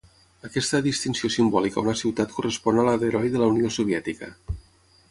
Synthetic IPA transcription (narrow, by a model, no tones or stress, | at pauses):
əkɛst̪əðist̪insiosimbɔlika̰unəsiwt̪at̪kurəspɔnəlaðəɾɔjðələuniosuβ̞jɛt̪ikə̰